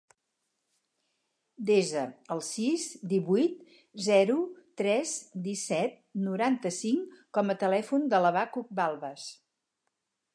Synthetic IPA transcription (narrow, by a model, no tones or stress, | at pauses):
d̪ezəəlˠsizd̪iβujt̪ | zɛɾut̪ɾɛzd̪isɛt̪̚nuɾant̪əsiŋkɔmət̪əlɛfund̪ələβakuk̚balˠβəs